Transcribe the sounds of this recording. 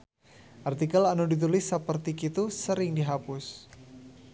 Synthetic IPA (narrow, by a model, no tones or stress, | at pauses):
ʔart̪ikalanudit̪̬ulɪsːəpərt̪ikit̪usəɾɪŋdiɦapʊs